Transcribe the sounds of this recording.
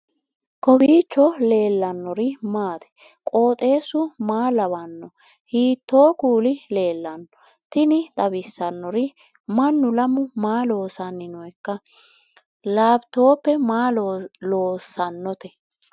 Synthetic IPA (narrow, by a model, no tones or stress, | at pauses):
kɔbiːt͡ʃːɔle̞ːlːɐnːɔɾɪmaːt̪ɛ̥ | kʼo̞ːt̪ʼe̞ːsːʊmaːlɐβɐnːɔ | hiːt̪ːoːkuːlɪle̞ːlːɐnːɔ | t̪ɪnɪd̪ɐbɪsːɐnːɔɾɪ | mɐnːʊlɐmʊmaːlo̞ːsɐnːɪnɔɛkːɐ | laːbt̪oːpːɛmaːloːsːɐnːɔt̪ɛ